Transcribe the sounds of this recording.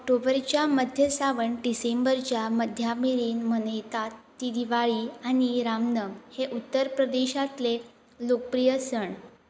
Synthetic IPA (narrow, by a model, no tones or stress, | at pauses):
ɔk̚ʈobəɾt͡ɕjaməd̪ʱjəsaʋəɳɖisembəɾt͡ɕjaməd̪ʱjamiɾiːnmənəjt̪at̪ːid̪iʋaɭiañiɾamnəmheʔut̪ːəɾpɾəd̪eɕat̪le | lok̚pɾijəsəɳ